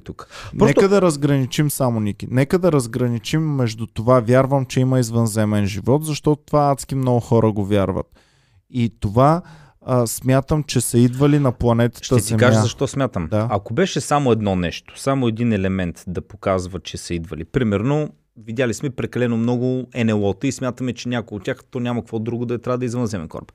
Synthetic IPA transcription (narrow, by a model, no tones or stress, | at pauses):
t̪uknɾɔɛkəd̪ɐɾɐzɡɾɐnit͡ʃimsamonik̟inɛkəd̪ɐɾɐzɡɾɐnit͡ʃimːɛʒd̪ut̪ovavjaɾvəmt͡ʃɛimɐizvənzɛmɛnʒivɔt̪zɐʃt̪ɔt̪o̥t̪ovaat̪sk̟imnɔɡʊxɔɾəɡovʲjaɾvə̰t̪ | it̪ova | smʲjat̪əmt͡ʃɛsɐid̪vəlinɐplˠɐnɛt̪ə̥ʃt̪əɛziɛmkaʒmazɐʃt̪ɔsmʲjat̪əmd̪aɐkobɛʃɛsamoɛd̪nɔnɛʃt̪o̥samoɛd̪inɛlɛmɛnt̪d̪ɐpokazvɐt͡ʃɛsɐid̪vəlipɾimɛɾno | vid̪ʲjalismɛpɾɛkɐlɛnomnɔɡʊɛnɛlˠɔt̪əismʲjat̪əmɛt͡ʃɛnʲakoot̪ːʲaxt̪ɔnʲamɐkvɔd̪ɾuɡʊd̪ɐɛt̪ɾʲavəd̪ɐizvənzɛmɛnkɔ̰ɾb